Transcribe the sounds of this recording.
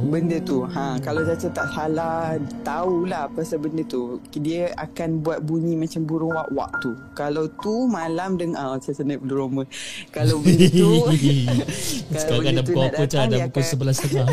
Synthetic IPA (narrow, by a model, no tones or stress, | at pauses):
bəndət̪uhãkalazasət̪aʔsalat̪aulahpasabəndət̪udiəa̰kanbuat̪̚buɲĩmãt͡ʃambuɾuŋwaʔwa̰ʔ̚t̪u | kalawt̪umãlamdəŋasasənəpəluɾomə̃kala | səkaɡadabkakət͡ʃadabukunsəbəlasaka